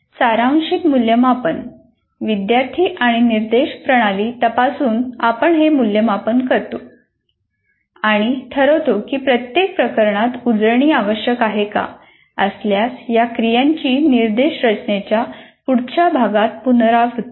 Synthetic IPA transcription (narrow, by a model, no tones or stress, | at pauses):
saɾãɕiːt̪muljəmapən | ʋid̪jaɾt̪ʰiːʔaɽ̃iniɾd̪eɕpɾəɽ̃aliːt̪əpasuːnapəɳɦemuljəmapənkəɾt̪o | aɽ̃it̪ʰəɾot̪okiːpɾət̪jek̚pɾəkəɾɳat̪ud͡zɾəɳ̃iːaʋəɕjəkaɦeka̰ | əsljasjakɾijãɲt͡ɕiːniɾd̪eɕɾət͡ɕnet͡ɕjapuɽt͡ɕabʱaɡat̪̚punɾaɦot̪